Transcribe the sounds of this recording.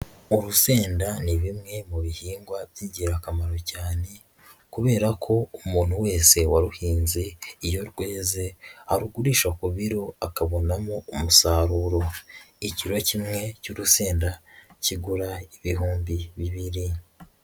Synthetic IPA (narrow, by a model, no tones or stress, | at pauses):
uɾuse̞ːndaniβimŋe̞muβihiːŋɡwabjiɟeɾakamaɾo̞caːne̞ | kuβe̞ːɾakʰo̞umuːn̥huwe̞ːse̞waɾuhiːnzeijo̞ɾɡwe̞ːzeaɾuɡuɾiːʃakuβiɾo̞akaβo̞namoumusaːɾuɾo̞iciɾo̞cimŋe̞cuɾuse̞ːndaciɡuɾaiβiɦuːmbiβiβiɾi